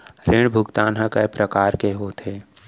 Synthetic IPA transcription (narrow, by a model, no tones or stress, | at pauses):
ɾɪɳ̃bʱʊkt̪aːnɦəkəpɾəkaːɾkeɦoːt̪ʰeː